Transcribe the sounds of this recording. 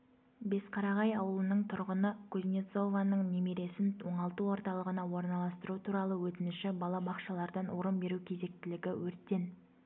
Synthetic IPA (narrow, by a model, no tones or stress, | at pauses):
be̞sqʰɑɾɑʁɑjɑwəlˠənəɴt̪ʰʊɾʁənəkʰuzʲnʲet̪so̞vanəɴnemeɾe̞sɪnwo̞ɴɑlˠt̪uwo̞ɾt̪ɑlˠəʁənɑwo̞ɾnɑlˠɑst̪əɾut̪ʰuɾɑlˠəwɵt̪ɪnɪʃɪbɑlˠɑbɑqʃɑlˠɑɾd̪ɑnwoɾəmbe̞ɾukʲʰe̞ze̞k̚t̪ɪlɪɡʲɪwɵɾt̪ːe̞n